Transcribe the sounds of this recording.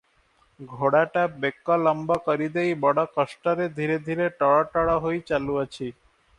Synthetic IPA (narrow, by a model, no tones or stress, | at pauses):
ɡʱoɽaʈabekːalɔmbakɔɾid̪ejbɔɽakɔʃʈaɾed̪ʱiɾed̪ʱiɾeʈɔɽaʈɔɽaɦojt͡ɕaluat͡ɕʰi